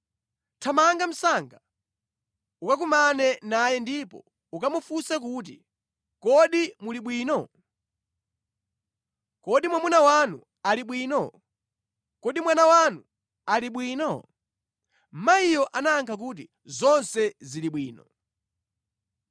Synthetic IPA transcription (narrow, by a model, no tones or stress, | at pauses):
tʰamaŋɡam̩saŋɡa | ukak̬umanɛnajɛndipɔ̰ | ukamufusɛk̬uːt̬ḭ | kɔɗimuliɓwiːnɔ | kɔɗimwamunawanu | aliɓwiːnɔ | kɔɗimwanawanu | aliɓwiːnɔ | m̩maijɔʔanaːŋkʰak̬ut̬i | zɔnsɛziliɓwiːnɔ